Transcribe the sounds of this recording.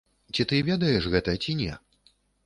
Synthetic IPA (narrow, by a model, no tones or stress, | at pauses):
t͡sʲit̪ɨvʲɛd̪ɐjɛʂɣɛt̪ɐt͡sʲinʲɛ